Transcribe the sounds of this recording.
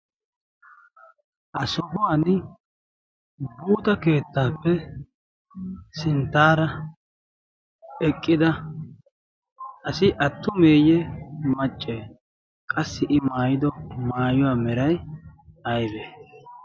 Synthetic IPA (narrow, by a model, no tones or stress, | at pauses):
ʔɐsɔbʊwan | buːt̪ɐke̞ːt̪ːaːpːɛ | sɪnt̪ːaːɾɐ | ɛkʼːɪd̪ɐ | ɐsɪʔɐt̪ːʊme̞ːjɛmɐt͡ʃʼːeː | kʼɐsːɪʔɪmaːjɪd̪ɔmaːjʊwaːmɛɾɐj | ɐjbeː